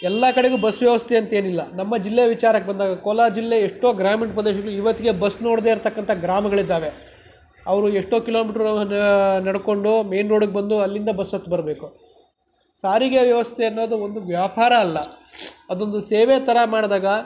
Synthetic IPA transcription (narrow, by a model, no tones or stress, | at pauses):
ɛlːɐkɐɽeɡubɐsʋjɐʋɐst̪ʰeɐnt̪ɐeːnilːɐnɐmːɐd͡ʒilːeɐʋit͡ʃaːɾɐkːebɐnd̪aːɡɐkoːlaːd͡ʒilːeeʂʈoːɡɾaːmeɳʈ̚pɾɐd̪eːʃɐɡɐɭuiʋɐt̪ːiɡe̞bɐsːno̞ːɽd̪e̞ːiɾt̪ɐkːɐnt̪ʰɐɡɾaːmɐɡɐɭid̪ːaːʋe̞ | ɐʋɐɾueʂʈoːkilo̞ːmiːʈɾ | nɐɽko̞ɳɖume̞jnɾoːɽuɡebɐnd̪uɐlːind̪ɐbɐsːɐt̪ːubɐɾɐbe̞ːku | saːɾiɡeʋjɐʋɐst̪ʰeɐnːo̞ːd̪uond̪uʋjaːpaːɾɐːlːɐɐd̪o̞nd̪useːʋet̪ɐɾɐmaːɽd̪aːɡɐ